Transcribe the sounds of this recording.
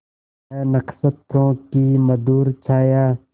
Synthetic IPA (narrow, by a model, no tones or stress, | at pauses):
nəksət̪ʰːõːkiːməd̪uːɾt͡ʃʰaːjaː